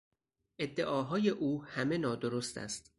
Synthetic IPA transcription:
ʔe̞d̪ːe̞ʔɒːɦɒːje̞ʔuːhæme̞nɒːd̪oɾost̪ʰæ̰st̪

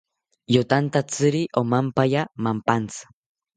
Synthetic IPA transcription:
jot̪ant̪at͡sɨɾiʔomampajamampant͡sḁ

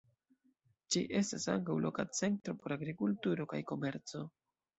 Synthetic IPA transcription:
d͡ʒiʔe̞stasa̰ŋkawlʔo̞̰kat͡se̞ntɾo̞po̞ɾaɡɾikultuɾo̞kajko̞me̞ɾt͡so̞

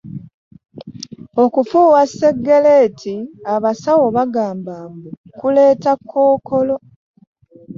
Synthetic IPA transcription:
o̞kufuːwasːe̞ɡːeleːtʰiaβasawo̞βaɡaːmbaːmbukuleːtakʰːo̞ːkolo̞

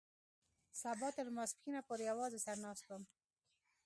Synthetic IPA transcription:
sabɔt̪əɾmaskinapoɾjawɑzesaɾnɑst̪ʊm

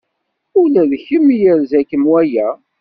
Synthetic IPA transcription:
ʊlæðəçəmːijəɾzækəmwæjæ

